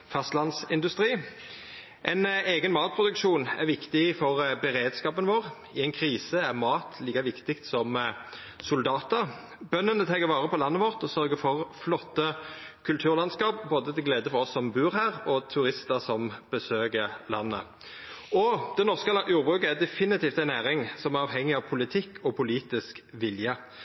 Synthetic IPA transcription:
fɑst̪lɑnsɪnd̪ʉst̪ʁiː | ʔɛɪneːɡənmɑːt̪̚pʰʁʊd̪ʉkʃuːnæ̰ʁʋɪkt̪ɪfɔʁbəʁeːd̪skɑːpənʋoːʁ | ɪɛɪnkʰɾiːsəæʁmɑːt̪ʰliːkɑʋɪkt̪ɪkt̪sɔm | sʊld̪ɑːt̪əɾ | bœnːənət̪ʰɑːɡəʋɑːʁəpɔlɑnːəʋɔʁt̪ɔsœɾɡəfɔʁflɔt̪ːəkʰʉlt̪ʰʉːʁlɑnskɑːp̚boːd̪ət̪ʰɪlɡleːd̪əfɔɾɔsːɔmbʉːɾhæːʁɔt̪ʰʉɾɪst̪əsɔmb̥əsøːɡəɾlɑ̰nːə̰ | ɔd̪̥ɛnɔʁskəjuːbʁʉːkəæd̪ɛfɪnɪt̪ʰiːft̪æɪnæːʁɪŋsɔmæʁɑːʋɦɛŋːɪɑʋpʰʊlɪt̪ʰɪkːʰɔpʰʊliːt̪ɪskʋɪljə

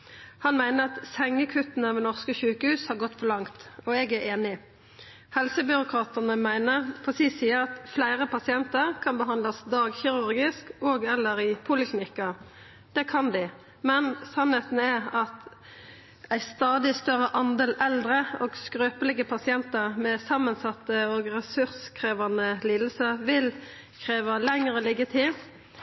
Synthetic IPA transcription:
hɑnmæɪnəʁɑt̪sɛŋːəkʰʉt̪ːənəmɛnɔʁskəçʉːkəhʉːshɑʁɡɔt̪ːfɔʁlɑŋt̪ɔɛɡæʔeːnɪ | hɛlsəbʏɾʊkʰɾɑːt̪ənəmæɪnəʁpʰɔsisiːəʁɑt̪flæɪʁəpɑsɪɛnt̪əʁkʰɑnbəɦɑnd̪lɑsd̪ɑːɡçɪʁʉɾɡɪskoːɡɛlːəɾɪpʰʊlɪknɪkːɑ | d̪̥ɛkʰɑnd̪ɪ | mɛnsɑnheːt̪nəɛɾɑt̪ | æɪst̪ɑːd̪ɪst̪œɾəʔɑnd̪eːlɛld̪ɾəoːɡskɾøːpəlɛɡəpʰɑsɪɛnt̪əʁmɛsɑmːənsɑt̪ːəoɡʁɛsʉɾskʰʁeːʋɑnəliːd̪l̩səʋɪl | kʰɾeːʋɑlæŋʁəlɪɡət̪ʰɪ

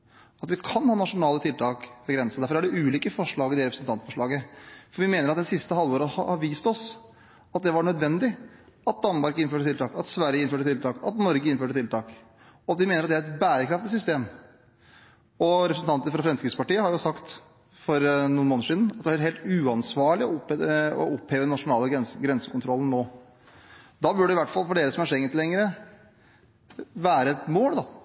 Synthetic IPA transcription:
ɑt̪ʋɪkʰɑnhɑːnɑʂʊnɑːlət̪ʰɪlt̪ʰɑːkʋɛɡɾɛnsəd̪æɾfɔɾæɖɛʔʉːliːkəfɔʂɭɑːɡɪd̪ɛɾɛpɾəsn̩t̪ʰɑnt̪fɔʂɭɑːɡəfɔɾʋɪmeːnəɾɑt̪d̪ɛnsɪst̪əhɑlːʋoːɾəhɑʋiːst̪ɔs | ɑt̪̚d̪ɛʋɑɳœd̪ʋɛnd̪ɪ | ɑt̪̚d̪ɑnmɑɾkɪnføːʈət̪ɪlt̪ɑːkɑt̪sʋæɾjəɪnføːʈət̪ʰɪlt̪ʰɑːkɑ̰t̪nɔɾɡəɪnføːʈət̪ʰɪlt̪ʰɑːk | ɔd̪ɪmeːnɾɑt̪d̪ɛæɾɛt̪bæːɾəkʰɾɑft̪ɪs̬ʏst̪eːm | ɔɾɛpɾəsn̩t̪ʰɑnt̪əɾfɾɑfɾɛmskɾɪkspɑʈiːəhɑɾjʊsɑkt̪ | fɔɾnuːnmoːnəʂiːd̪n̩ɑt̪d̪ɛɑɾɛheːlt̪ʉːɑnsʋɑːɭɪɔpɔ̰ɔpheːʋəd̪ɛnɑʂʊnɑːləsɡɾɛnsəkʊnt̪ʰɾɔlən̩nːoː | d̪ɑːbʉɖɛɪʋæʈːfɑlfɔɖeːɾəsɔmæʂɛŋənt̪lɛŋːəɾə | ʋæːɾəɛt̪moːld̪ɑ

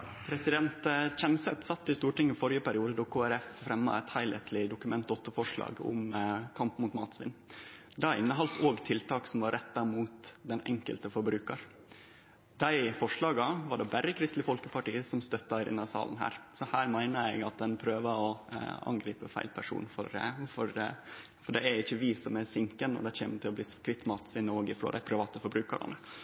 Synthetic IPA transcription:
pʰɾɛsɪd̪ɛnt̪t͡ʃɛnsɛt̪sɑt̪ːɪst̪uːʈɪŋːɪfɔɾjəpæɾɪuːd̪əd̪ɔkʰoːæɾɛffɾɛmːɑ̰ɛt̪hæɪlɛt̪ʰlɪd̪ʊkʉmɛnt̪̚dɔt̪ːəfɔʂɭɑ̰ːɡɔ̰mkʰɑmpmuːt̪mɑːt̪sʋɪ̰nː | d̪ɑɪ̰nːəɦɑlt̪oːɡt̪ʰɪlt̪ʰɑːksɔmʋɑɾːɛt̪ːɑmuːt̪d̪ɛnʔɛ̰ŋkə̰lt̪əfɔɾbɾʉːkɑɾ | d̪̥æɪfɔʂɭɑːɡɑʋɑɖɛbæɾːəkʰɾɪst̪lɪfɔlkəpʰɑʈiːəsɔmst̪œt̪ːɑɾɪ̰nːɑsɑ̰ːlən̩ɦæ̰ːɾsɔhæːɾmæɪnəɛɪɡɑt̪̚d̪ɛnpʰɾøːʋɑɔɑ̰ŋɡɾiːpəfæ̰ɪlpʰæʂṵːnfɔ̰ɾfɔɾ | fɔɖɛæɾɪçːəʋɪsɔmæsɪŋkənɔ̰d̪æɪçḛːmt̪ʰɪlɔbliːskʰɾɪt̪ːmɑːt̪sʋɪnːoːɡɪfɾo̰ːd̪æɪpʰɾɪʋɑːt̪əfɔɾbɾʉːkə̰ɾɑ̰nə

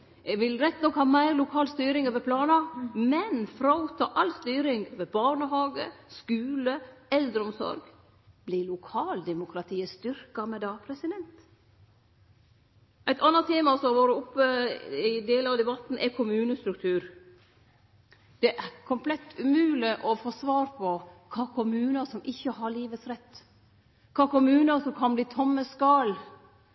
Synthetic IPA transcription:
ɛʋɪlɾɛt̪ːnɔkhɑːmæɪɾlʊkʰɑːlst̪yːɾɪŋøʋəpʰlɑːnɑmɛnfɾɑut̪ʰːɑ̰ːʔɑlst̪yːɾɪŋʋəbɑːɳəɦɑːɡə̰skʉːləɛld̪ɾəɔmsɔ̰ɾɡ | blɪlʊkʰɑːld̪ɛmʊkʰɾɑt̪ʰiːəst̪ʏɾkɑmɛd̪ɑːpʰɾɛsɪd̪ɛnt̪ | ʔæɪt̪ɑnːɑt̪ʰeːmɑsɔʋoːɾəʊpːəɪd̪eːləɑʋd̪ɛbɑt̪ːn̩ʔɛkʰʊmʉːnəst̪ɾʉkt̪ʰʉːɾ | d̪̥ɛʔkʰʊmpʰlɛt̪ːʉmʉːlɪʔɔfoːsʋɑːɾpʰɔkʰɑːkʰʊmʉːnəsɔmʔɪçːəɦɑɭiːʋət̪sɾɛt̪ː | kʰɑːkʊmʉːnəsɔmkʰɑnbliːt̪ʰɔmːəskɑl

